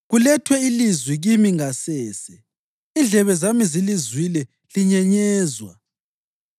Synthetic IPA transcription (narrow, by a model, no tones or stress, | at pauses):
ɣulɛtʰwɛilizwiɣimiŋasɛːsɛ | ind͡ɮʱɛβɛzamizilizwilɛ | liɲɛɲɛːzwa̰